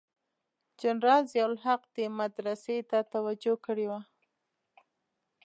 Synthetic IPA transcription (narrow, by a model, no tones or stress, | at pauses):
d͡ʒanɾɑlzjawlɦaqd̪emad̪ɾaset̪at̪awad͡ʒokəɽewa